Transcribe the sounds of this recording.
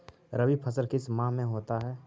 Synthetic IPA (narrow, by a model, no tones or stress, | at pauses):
ɾəʋipʰəsəɾkɪsmãːmẽɦoːt̪aɦɛː